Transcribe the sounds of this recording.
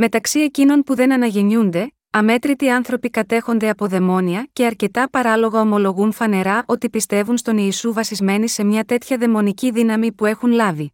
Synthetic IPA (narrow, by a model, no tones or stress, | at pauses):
me̞t̪ɐksie̞cino̞npuðe̞nɐnɐʝeɲund̪e̞ | ɐme̞t̪ɾit̪iɐnθɾo̞pikɐt̪e̞xo̞nd̪e̞ɐpo̞ðe̞mo̞niɐce̞ɐɾce̞t̪ɐpɐɾɐlo̞ɣɐo̞mo̞lo̞ɣunfɐne̞ɾɐʔo̞t̪ipist̪e̞vunst̪o̞niːsuvɐsizme̞nise̞mɲɐt̪e̞t̪çɐðe̞mo̞niciðinɐmipue̞xunlɐvi